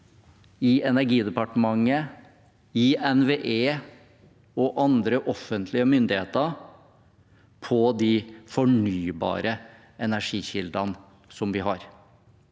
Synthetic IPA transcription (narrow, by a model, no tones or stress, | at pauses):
ɪɛnæɾɡiːd̪ɛpɑʈəmɑŋːə | ɪɛnʋeːʔeː | ɔʔɑnd̪ɾəʔɔfːənt̪ʰlɪəmʏnd̪ɪhḛːt̪ə | pʰɔd̪ɪfɔɳyːbɑ̰ːɾə | ʔɛnæʂiːçɪld̪ɑn | sɔmʋɪɦɑɾ